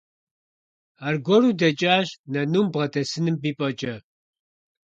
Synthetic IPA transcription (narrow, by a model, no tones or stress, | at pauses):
arɡʷɔɾud̪ɐt͡ʃʼaːʒnɐnuːmbʁɐt̪ʰʼɛsɨnɨmbipʼɐt͡ʃʼɐ